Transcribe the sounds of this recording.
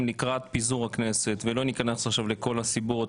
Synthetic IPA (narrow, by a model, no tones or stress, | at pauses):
mlikʁat̪̚pizuʁakne̞se̞t̪velo̞nikanesaχʃavleko̞lasibot